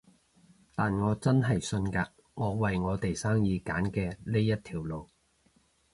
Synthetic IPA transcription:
t̪aː˨nŋɔː˨˧t͡sɐ˥nɦɐ˨jsɵ˧nkaː˧ | ŋɔː˨˧wɐ˨jŋɔː˨˧t̪e˨jsaː˥ŋjiː˨˧kaː˨˥nkɛː˧le˥jɐ˥t̪̚ʰiː˨˩wlo˨˧w

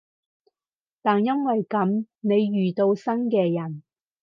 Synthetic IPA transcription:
t̪aː˨˩njɐ˥nwɐ˨jkɐ˨˥mne˨˧jɥyː˨t̪o˧wsɐ˥nkɛː˧jɐ˨˩n

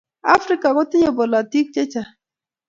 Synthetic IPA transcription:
a̰˦fɾi˦ka˨kɔ˦ti˦ɲe˨bo˨la˨ti˦k̚t͡ʃe˦t͡ʃa˨

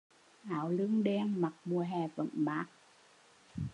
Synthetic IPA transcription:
ʔaː˨˦wlɨ˧əŋɗɛ˧ŋma˨˩k̚mu˨˩əɦɛ˨˩və̰˧˨nmaː˨˦k̚

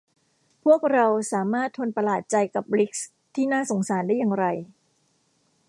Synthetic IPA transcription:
pʰu˥˩ək̚ɾa˧wsaː˩˦maː˥˩t̪ʰːo˧npa˧laː˨˩t̪̚t͡ɕa˧jka˨˩p̚li˦˥k̚s | t̪ʰiː˥˩naː˥˩so˩˦ŋsaː˩˦ndaː˥˩jːaː˧ŋɾa˧j

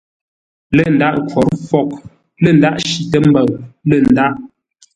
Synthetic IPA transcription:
lə˦˨n̩˨da˦˨ʔkwɔ˨˦ɾfɔ˦˨k̚ | lə˦˨n̩˨da˦˨ʔʃi˨tə˦m̩˦bə˨ŋlə˨n˨da˦ʔ

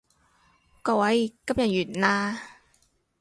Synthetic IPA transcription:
kɔ˧˩wa˨˧˥jka˧˥p̚ja˨˩jyː˨˩nnaː˧

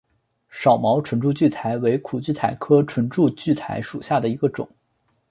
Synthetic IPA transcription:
ʂɑ˨˩ʊmɑ˧˥ʊʈ͡ʂʰwə˧˥nʈ͡ʂu˥˧t͡ɕy˥˩t̪ʰa˧˥ɪwe˧˥ɪkʰu˨˩t͡ɕy˥˩t̪ʰa˨˩ɪkʰɤ˥ʈ͡ʂʰwə˧˥nʈ͡ʂu˥˧t͡ɕy˥˩t̪ʰa̰˧˥ɪʂṵ˨˩ɕja˥˩d̪ə˩i˧˥ɡə˧ʈ͡ʂʊ̰˨˩˦ŋ

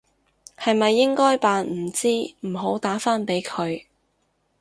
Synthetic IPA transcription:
hɐ˨jmɐ˨jːɪ˥ŋkɔː˥jpaː˨nm̩˨˩t͡siː˥m̩˨˩ɦo˨˥wt̪aː˨˥faː˥npe˨˥jkʰɵ˨˧ɥ

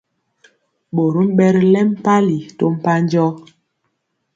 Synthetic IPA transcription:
ɓo˨ɾu˦m̩˦ɓɛ˦ɾlɛ˦m˦pa˦li˨to˦m̩˦˨pa˦n˦d͡ʒɔ˦

